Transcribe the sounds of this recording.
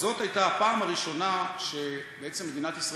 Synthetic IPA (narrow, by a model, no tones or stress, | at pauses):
zo̞t̪hajtaapaːmaʁiʃo̞naʃebee̞t͡se̞mːed̪inat̪isʁa